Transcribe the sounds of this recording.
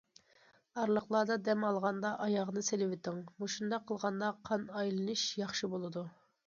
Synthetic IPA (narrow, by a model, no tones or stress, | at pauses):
ɑɾlˠəχlˠɑːd̪ɑd̪ɛmɑlˠʁɑnd̪ɑʔɑjɑʁnɨselɪwɪt̪ʰɪŋmuʃund̪ɑqʰːəlˠʁɑnd̪ɑqʰɑnɑjlˠɨnɨʃjɑχʃɨbolˠɨd̪u